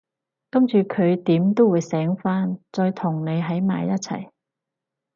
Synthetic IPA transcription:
kɐ˥mt͡ʃyː˨˧kʰɵ˨˧ɥt̪iː˨˥mt̪o˥wuː˨˧jsɛː˨˥ŋfaː˥nt͡sɔː˧jt̪ʰʊ˨˩ŋne˨˧jɦɐ˨˥jma̰ː˨˧jɐ˥t̚t͡sʰɐ̰˨˩j

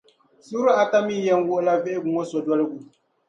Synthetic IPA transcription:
su˦ɾu˦a˨ta˦mi˦˨jɛ˦n˦wʊ˦ʔla˦vɛ˦ʔɪ˦ɡu˨ŋo˦sɔ˨dwa˦lɨ˦ɡu˨

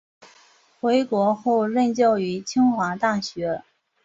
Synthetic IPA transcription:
xwe˧˥ɪkwɔ˧˥xo˥˧ʊɻə˥˧nt͡ɕjɑ˥˩ʊy˧˥t͡ɕʰi˥ŋxwa˧˥t̪a˥˩ɕɥɛ˧˥

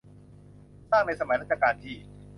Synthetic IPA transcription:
saː˥˩ŋna˧jsa˧ma˨˦jɾa˦˥t̪̚t͡ɕʰa˧kaː˧nt̪ʰiː˥˩

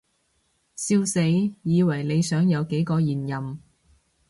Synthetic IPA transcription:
siː˧wse˨˥jjiː˨˧wɐ˨˩jle˨˧jsœː˨˥ŋjɐ˨˧wke˨˥jkɔː˧jiː˨˩njɐ˨m

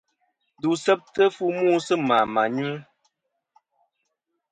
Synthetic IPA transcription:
du˨sɛ˦p̚tə˦fu˦mu˦˨sɨ˦ma˨ma˨ɲu˦

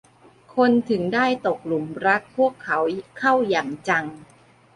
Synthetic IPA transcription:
kʰo˧nt̪ʰɯ˩˦ŋdaː˥˩jt̪o˨˩k̚lu˨˩˦mɾa˦˥t̪̚pʰu˥˩əkʰːa˩˦wkʰa˥˩wja˨˩ŋt͡ɕa˧ŋ

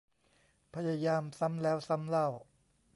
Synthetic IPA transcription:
pʰa˧ja˧jaː˧msa˦˥mlɛː˦˥wsa˦˥mla˥˩w

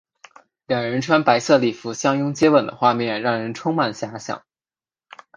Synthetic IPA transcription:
ljɑ˨˩ŋɻə˧˥nʈ͡ʂʰwa˥npa˧˥ɪsɤ˥˧li˨˩fu˧˥ɕjɑ˥ŋjʊ˥ŋt͡ɕjɛ˥wə˨˩nd̪ə̰˦xwa˥˧mjɛ˥˩nɻɑ˥˩ŋɻə˧˥nʈ͡ʂʰʊ˥ŋma˨˩nɕja˧˥ɕjɑ̰˨˩˦ŋ

